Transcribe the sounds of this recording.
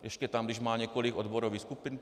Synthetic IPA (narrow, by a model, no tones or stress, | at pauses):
ɛʃcɛt̪amd̪iʒmaːɲɪɛkɔliːɡɔd̪bɔɾɔʋiːxskupin